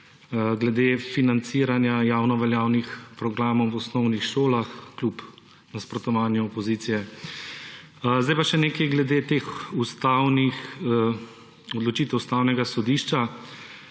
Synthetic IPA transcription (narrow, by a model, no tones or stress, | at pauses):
ɡlɛd̪eːfinant̪siːɾanjajaːwnɔʋɛljaːwnixpɾɔɡɾaːmɔwwɔsnɔwnixʃoːlaxklʲup | naspɾɔt̪ɔʋaːnjuɔpɔziːt̪sijɛ | zd̪ajpaʃɛneːkɛjɡlɛd̪et̪exust̪awnix | ɔd̪lɔt͡ʃit̪ɛwust̪aːwnɛɡasɔd̪iːʃt͡ʃa